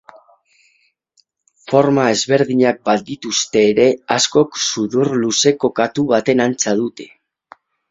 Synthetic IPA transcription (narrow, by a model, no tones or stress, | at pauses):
fo̞ɾmae̞zβe̞ɾðiɲak̚bat̪̚d̪it̪ust̪e̞ːɾe̞asko̞ksuðurluse̞ko̞kat̪uβat̪e̞nant͡sað̞ut̪e̞